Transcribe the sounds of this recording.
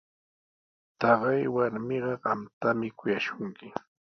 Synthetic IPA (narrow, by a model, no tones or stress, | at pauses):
t̪ɑɢɑjwaɾmɪɢɑɢɑmt̪amɪkʊjaʃʊŋkɪ